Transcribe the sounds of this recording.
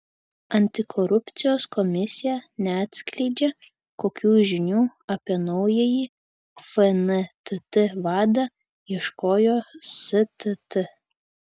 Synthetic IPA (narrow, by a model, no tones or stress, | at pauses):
ɐnʲt̪ʲɪkʰɔɾʊpʲt̪sʲɪjoːskɔmʲɪsʲɪjɛnʲɛɐt̪ʲsʲkʲlʲɛɪd͡ʒʲɛ | koːkʲuːʒʲɪnʲuːɐpʲiɛnɔʊjɛjiː | fɛnɛt̪ɨt̪ɨʋɑːd̪ɐ | iɛʃkoːjoːsɨt̪ɨt̪ɨ